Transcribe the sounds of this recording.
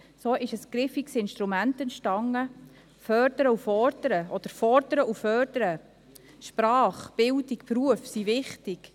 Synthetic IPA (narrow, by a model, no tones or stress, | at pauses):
soːʔɪʃəsɡ̥ɾɪfiksɪnʃt̪ɾumæntɛntʃtɑŋːə | fœɾd̥̪əɾəufɔɾd̪̥əɾəʔɔd̥̪əɾfɔɾd̥əɾəufœrd̥əɾə | ʃpɾɑːχb̥ɪldikpruəfsivɪχtɪk